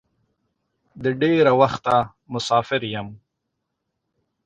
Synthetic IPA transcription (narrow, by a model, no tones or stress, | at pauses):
d̪əɖeɾawaxt̪a | mʊsɑfɪɾjam